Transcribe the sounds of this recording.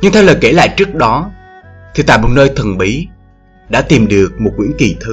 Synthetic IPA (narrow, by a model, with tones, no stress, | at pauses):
ɲɨ˧ŋt̪ʰɛ˧wləː˨˩jke˧˩la̰ː˧˨jt͡ɕɨ˦˥ək̚ɗɔ˨˦ | t̪ʰi˨˩t̪a̰ː˧˨jmo˨˩t̚nəː˧jt̪ʰə˨˩ŋɓi˨˦ | ɗa̰ː˧˥t̪i˨˩mɗɨ˨˩ək̚mo˨˩t̚ŋwḭ˧˥əki˨˩t̪ʰɨ˨˦